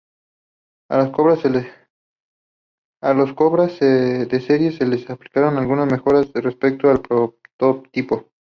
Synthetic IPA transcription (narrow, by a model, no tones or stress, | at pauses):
a̰laskoβɾase | aloskoβɾased̪e̞seɾjeselesapli̥kaɾo̞nalɣunasme̞xo̞ɾasrespek̚t̪oalpɾot̪op̚t̪ipo̞